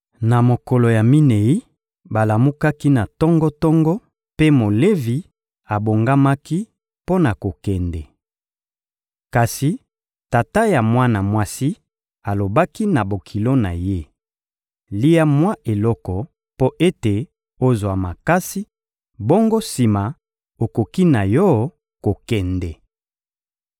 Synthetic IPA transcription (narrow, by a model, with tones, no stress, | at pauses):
na˨mo˨kɔ˨lo˨ja˨mi˦ne˨i˦ | ba˨la˨mu˦ka˦ki˦na˨tɔ˦ŋɡɔ˦tɔ˦ŋɡɔ˦ | pe˦mo˨le˦vi˨ | a˨bo˨ŋɡa˦ma˦ki˦ | po˦na˨ko˨kɛ˨ndɛ˨ | ka˨si˨ | ta˨ta˦ja˨mwa˦na˨mwa˦si˦ | a˨lo˨ba˦ki˦na˨bo˨kʰi˨lo˦na˨je˦ | li˦ja˦mwa˦ʔe˨lɔ˦kɔ˨ | po˦ʔe˦te˨ | o˦zwa˨ma˨ka˦si˦ | bɔ˦ŋɡo˦si˨ma˨ | o˨ko˨ki˦na˨jɔ˦ | ko˨kɛ˨ndɛ˨